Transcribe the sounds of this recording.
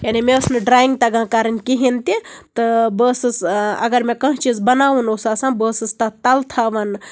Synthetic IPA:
janimẽəsnɨɖɾaːĩŋɡ̚t̪ɐɡãːkaːɾənkiɦint̪it̪ɨbəːsɨsɐ̰ɡɐɾmẽkɐ̃ɦt͡ʃizbɐnaːʋunoːsaːsãbəːsɨst̪at̪ɐlt̪ʰaːʋɐn

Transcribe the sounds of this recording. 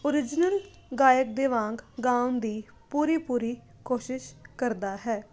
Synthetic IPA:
oɾɪd͡ʒnəl | ɡaːjək̚d̪eːʋãːŋɡɡãːnd̪iː | puːɾiːpuːɾiː | koːʃɪʃkəɾd̪aːɦɛː

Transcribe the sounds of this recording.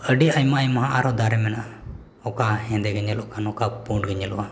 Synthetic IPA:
əɖiajmajmaɦaʔaɾɔd̪aɾɛmɛnaʔ | ɔkahɛ̃d̪ɛɡəɲɛlɔʔkʰanɔkapuʈɡəɲɛlɔwa

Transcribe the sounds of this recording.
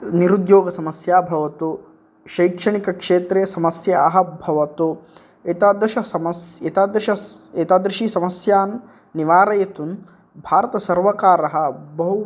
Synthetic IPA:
niɾud̪joːɡɐsɐmɐsjaːbʱɐʋɐt̪u | ʃɐjkʂɐɳikɐkʂeːt̪ɾeːsɐmɐsjɐɐɦɐbʱɐʋɐt̪u | eːt̪aːd̪ɾiʃɐsɐmɐseːt̪aːd̪ɾiʃɐ | eːt̪aːd̪ɾiʃisɐmɐsjaːnː | iʋaːɾɐjɐt̪un | bʱaːɾɐt̪ɐsɐɾʋɐkaːɾɐɦɐ̆bɐɦu

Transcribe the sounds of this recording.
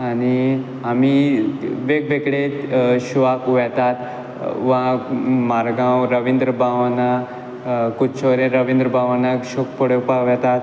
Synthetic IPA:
añi | ami | ʋek̚bekɽeɕʋakʋɛt̪at̪ | ʋãmaɾɡãwɾəʋind̪ɾəbaʋna | kut͡ʃʰoɾeɾəʋĩnd̪ɾəbʱaʋanakɕok̚pəɽepaʋɛt̪at̪

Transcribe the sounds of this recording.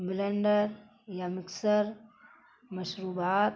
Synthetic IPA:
bɪleɳɖəɾ | jamɪksəɾ | mɐʃɾuːbaːt̪

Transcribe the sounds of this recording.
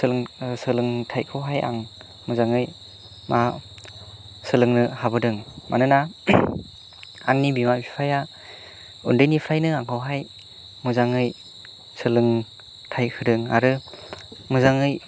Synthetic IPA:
sɯlɯŋsɯlɯŋtʰajkʰɯwɦaja̰ŋ | mɯzaŋɯj | ma | sɯlɯŋnɯhabɯdɯŋmʔa̰nɯna | aŋnibimabʰipʰaja | ṵndɯjnipʰɾajnɯaŋʰɯwɦaj | mɯzaŋɯj | sɯlɯŋ | tʰajkʰɯdɯŋa̰ɾɯ | mɯzaŋɯj

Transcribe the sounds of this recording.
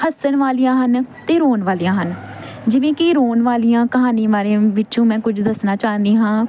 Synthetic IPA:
həsənʋaːlijãːɦənt̪eːɾoːnʋaːlijãːɦənd͡ʒɪʋẽːkɪɾoːnʋaːlijãːkəɦaːniːʋaːɾeʋɪt͡ʃõːmɛ̃ːkʊd͡ʒd̪əsnaːt͡ʃaːə̃nd̪iːɦãː

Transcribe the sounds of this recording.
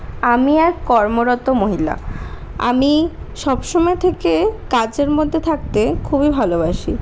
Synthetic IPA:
amiɛɾkɔɾmoɾɔt̪omoɦila̰ | a̰miʃɔbʃɔmɔet̪ʰekekad͡ʑeɾmod̪ʱːet̪ʰak̚t̪ekʰubibʱalobaʃi

